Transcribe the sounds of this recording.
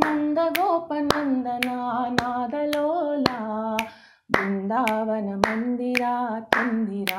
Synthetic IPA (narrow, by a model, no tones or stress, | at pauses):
nɐnd̪ɐɡoːpːɐnɐnd̪ɐnanaːd̪ɐloːlaː | bʊnd̪aːʋɐnɐmɐnd̪ɪɾaːt̪ɐnd̪ɪɾaː